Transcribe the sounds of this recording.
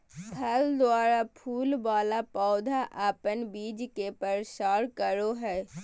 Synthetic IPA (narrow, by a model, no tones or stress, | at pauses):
bʰʱɐld̪waːɾapʰuːlbaːlapaːd̪ʱaʔaːpənbiːd͡ʒkepəɾʃaːɾkəɾoɦɛː